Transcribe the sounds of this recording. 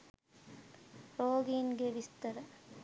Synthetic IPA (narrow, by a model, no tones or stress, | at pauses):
ɾoːɡinɡeʋist̪ɐɾɐ